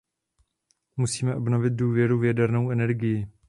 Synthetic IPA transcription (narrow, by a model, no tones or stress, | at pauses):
musiːmɛʔo̞bno̞vɪt̪̚duːvjɛɾuvjɛdɛɾno̞wɛnɛɾɡɪjɪ